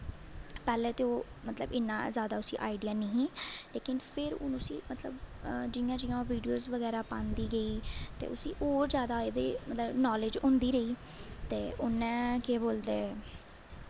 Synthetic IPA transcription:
pɛːlẽːt̪eːoː | mət̪ləbɪnːãːzjaːd̪aːʊsḭːʔa̰ːiɖɪjaːneɦĩːleːkɪnpʰɪɾʊ̰nʊsiːmət̪ləbd͡ʒɪjãːd͡ʒɪjãːʋiːɖijoːzʋəɡɛːɾaːpãːnd̪iːɡəiːt̪ḛːʊsiːʔoːɾzjaːd̪aːeːd̪eːmət̪ləbnɔːled͡ʒʊ̃nd̪iːɾəiː | t̪eːʔʊnːɛ̃ːkeboːld̪eː

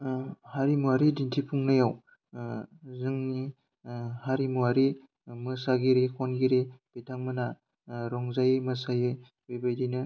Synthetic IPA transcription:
haɾimuaɾidintʰipʰuŋnajaw | zɯŋni | haɾimuaɾi | mɯsaɡiɾikʰɔnɡiɾib̥ejtʰaŋmɯna | ɾɔŋzajemɯsajɯ | bejbajdinɯ

